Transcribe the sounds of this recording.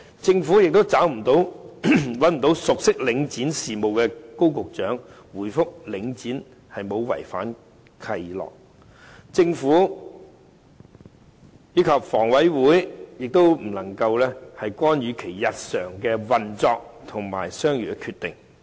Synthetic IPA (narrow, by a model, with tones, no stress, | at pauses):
t͡sɪ˧ŋfuː˨˥jɪ˨k̚t̪o˥wt͡saː˨˥wm̩˨˩t̪o˨˥w | wɐ˨˥nm̩˨˩t̪o˨˥wsʊ˨k̚sɪ˥k̚lɪ˨˧˥ŋt͡siː˨˥nsiː˨mo˨wkɛː˧ko˥wkʊ˨k̚t͡ʃœː˨˥ŋ | wuː˨˩jfʊ˥k̚lɪ˨˥ŋt͡siː˨˥n | hɐ˨jmo˨˧wwɐ̰˨˩jfa̰ː˨˥n | kʰɐ˧jlɔ̰ː˨˩k̚ | t͡sɪ˧ŋfuː˨˥ | jyː˨˥kʰɐ˨p̚fɔː˨˩ŋwɐ˨˥jwuː˨˥jjɪ˨k̚t̪o˥wm̩˨˩lɐ˨˩ŋkɐ˧wlɛː˥hɐ˨jkʷaː˥njyː˨˧kʰe˨˩jjɐ˨t̚sœː˨˩ŋkɛː˧wɐ˨nt͡sɔː˧k̚ | t̪ʰʊ˨˩ŋma̰ː˨˩jsœː˥ŋjy̰˨˩kʰyː˧t̪ɪ̰˨ŋ